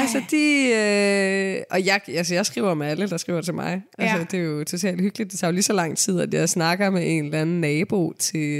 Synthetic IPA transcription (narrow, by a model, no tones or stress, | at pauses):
ælsəd̥iø | ʔɒ̽jɑ̈ɪælsəjɑ̈ɪsɡ̥ʁḭʊɐmeæləd̥ɑ̈sɡ̥ḭːʊɐd̥t͡sʰe̝lmɑ̈ɪʔæsəd̥e̝jo̝t͡sʰo̝t͡sʰɛ̰ːld̥hyɡ̥lid̥d̥ːe̝t͡sʰɑjo̝lisɒ̽lɑ̈ŋ̰t͡sʰið̞̰ˠæd̥jɑɪsnɑ̈ɡ̥ɐmeʔe̝nelæn̩nɛːb̥o̝t͡sʰe̝